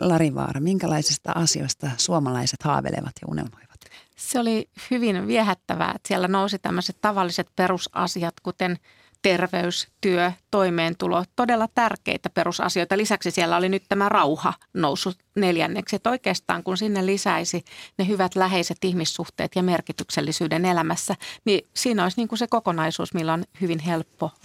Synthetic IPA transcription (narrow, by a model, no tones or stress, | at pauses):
lɑɾiʋɑ̰ːrɑmiŋkælɑisist̪ɑ̰ʔɑsio̰st̪ɑsuomɑlɑiset̪hɑ̰ːʋḛlḛʋɑt̪jɑṵnḛlmojʋɑ̥t̪seolihyʋinʋiehæt̪ːæʋæ̰ːḛt̪siɛlːænousit̪æmːøset̪t̪ɑʋɑlːiset̪perusɑ̰siɑt̪kut̪en | t̪erʋeyst̪yøt̪oimeːnt̪ulot̪odelːɑt̪ærkḛit̪æperusɑ̰sioit̪ɑlisæksisielːæolinyt̪t̪æmærɑuhɑ̰nousːu | neljæ̰nːeksiet̪oikeːst̪ɑ̰ːŋkunsinːelisæisinehyʋæt̪læɦeiset̪ihmisːuht̪ḛːt̪jɑmerkit̪ykselːisyːdenelæmæsːænisiːnoisniːŋkusekokonɑisṵːsmilːonhyʋinɦelpːo